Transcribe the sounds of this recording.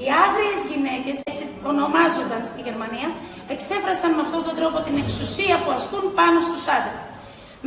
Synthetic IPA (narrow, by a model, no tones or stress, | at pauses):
iɐɣɾie̞zʝine̞ce̞set͡si | o̞no̞mɐzo̞nd̪ɐnst̪iʝe̞ɾmɐniɐ | e̞kse̞fɾɐsɐnmeɐft̪ot̪o̞nd̪ɾo̞po̞t̪ine̞ksusiɐpuɐskunpɐno̞st̪usɐðes | m